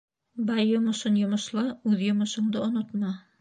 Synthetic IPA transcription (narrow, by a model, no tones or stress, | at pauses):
bɑjːŏmŏʃɤnjŏmŏʃlˠɑʉðjŏmŏʃŏɴd̪ɤŏnot̪mɑ